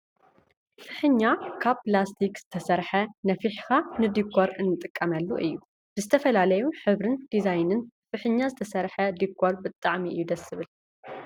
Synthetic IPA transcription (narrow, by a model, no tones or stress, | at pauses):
fɨħɨɲːakʰaβplast̪ʰikz̥ɨt̪ʰɐsɐɾħɐnɐfiħxanɨd̪ikʰːoɾɨnːɨt̪ʼɨkʼːɐmɐlːuʔɨ̰jːu | b̥ɨzɨt̪ʰɐfɐlalɐjuħɨβɾɨnd̪̥izajnɨnfɨħɨɲːazɨt̪ʰɐsɐɾħɐd̪ikʰːo̞ɾbɨt̪ʼːaʕmiʔɨjud̪ɐsɨβɨl